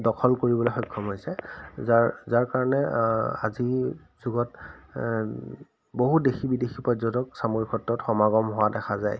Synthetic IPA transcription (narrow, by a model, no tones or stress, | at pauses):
dɔkʰɔlkoɹibɔlojxɔjkʰːɔmɦojsɛzaɹzaɹkaɹɔnɛa̰zi | z̥uɡɔt | boɦudexibidexipɔjzɔntɔksamoɹikʰɔtːɔtxɔmaɡɔmɦʊwadɛxʰazaj